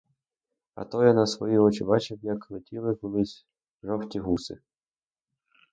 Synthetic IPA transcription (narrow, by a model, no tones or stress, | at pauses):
ɐ̰t̪ɔjɐnɐsʋɔjiɔt͡ʃɪbɑt͡ʃɪwjɐkxlˠɔtʲilˠɪkɔlˠɪsʲ | ʒɔwtʲiɦusɪ̰